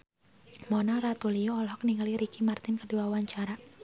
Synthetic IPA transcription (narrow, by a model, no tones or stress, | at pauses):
mɔnɔrat̪ulijoɔlɦɔk̚niŋaliɾikimart̪ɪnkəduawaɲt͡ʃaɾa